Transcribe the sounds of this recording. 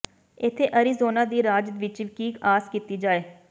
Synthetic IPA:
ɪt̪ʰːeːʔəɾiːzoːnaːd̪iːɾaːd͡ʒ̪ʋɪt͡ʃʋɪkiːkaːskiːt̪iːd͡ʒaːeː

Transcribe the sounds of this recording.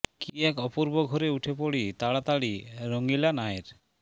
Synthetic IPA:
kiɛkɔpuɾboɡʱɔɾeuʈʰepoɽit̪aɽat̪aɽiɾoŋilanaeɾ

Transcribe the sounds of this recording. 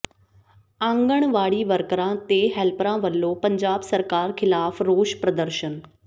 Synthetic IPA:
ãːŋɡəɽ̃ʋaːɽiʋəɾkəɾãt̪eɦɛlpɾãːʋəlːopɐ̃ɲd͡ʑaːbsəɾkaːɾkʰɪlaːfʰɾoːʃpɾəd̪əɾʃən

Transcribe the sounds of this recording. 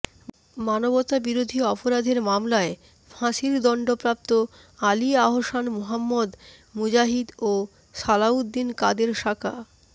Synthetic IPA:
manobot̪abiɾod̪ʱiɔpoɾad̪ʱeɾmamlae | fʰãʃild̪ɔɳɖopɾap̚t̪o | aliaɦoʃanmoɦamːod̪ | mud͡ʑaɦid̪o | ʃalaud̪ːinkad̪eɾʃakʰa

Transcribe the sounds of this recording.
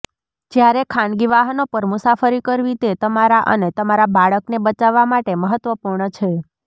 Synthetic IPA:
d͡ʒjaɾekʰanɡiʋaɦənopəɾmusafəɾikəɾʋit̪et̪əmaɾaʔə̰net̪əmaɾabaɭəknebət͡ʃaʋːamaʈeməɦət̪ʋəpuɾɳət͡ʃʰe

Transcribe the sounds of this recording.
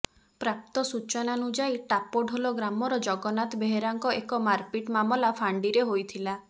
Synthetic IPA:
pɾap̚t̪ɔsut͡ʃɔnanud͡ʒajʈapɔɖʱɦolɔɡɾamɔɾɔd͡ʒɔɡɔnat̪ɔbeɦeɾaŋkɔekɔmaɾpiʈmamɔlapʰaɳɖiɾeɦojt̪ʰila

